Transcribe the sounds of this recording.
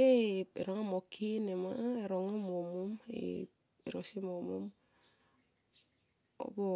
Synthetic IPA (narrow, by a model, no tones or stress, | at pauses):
eḛɾoŋamokʰinema̰eɾoŋomomumḛ | iɾosimomṵm | o̰bo